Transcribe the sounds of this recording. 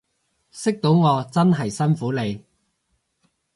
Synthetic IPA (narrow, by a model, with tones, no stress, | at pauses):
sɪ˥k̚t̪o˨˥wŋɔː˨˧t͡sɐ˥nɦɐ˨jsɐ˥nfuː˨˥le˨˧j